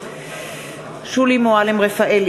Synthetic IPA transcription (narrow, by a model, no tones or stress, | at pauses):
ʃulimoalemʁefaʔel